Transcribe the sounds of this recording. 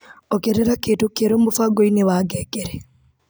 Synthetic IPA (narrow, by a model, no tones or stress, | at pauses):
ɔkeɾɛɾakeːtokeɾombofaɡoinewaːɡɛkɛɾɛ